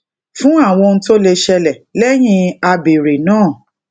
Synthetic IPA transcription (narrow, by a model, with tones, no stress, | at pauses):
fũ˦a˦˨w̃ɔ̃˧n̩˦to˦le˧ʃɛ˧lɛ˨lɛ˦j̃ĩ˦a˧be˨ɾe˨nãː˦˨